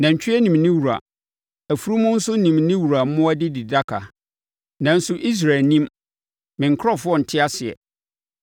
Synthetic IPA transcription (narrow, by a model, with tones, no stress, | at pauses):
nã˨ɲ̩˨t͡ɕᶣɪ˦ɛ˦nĩ˨mnɪ̃˦wu˨ɾa̰˨ | æ˨fu˨ɾu˦mʊ̃˦n̩˦sʊ˦nĩ˨mnɪ̃˦wu˨ɾa˨˦mʊ̃˦a˦dɪ˦di˨da˦kʰa˨ | nã˨n̩˦sʊ˦ʔi˦s̬ɾa˨lnĩ˦m | mɪ̃˨ŋ̩˨kʰɾɔ˦fʊ˦ɔ˦˨n̩˨tʰɪ˦a˦sɪ˨ɛ̰˨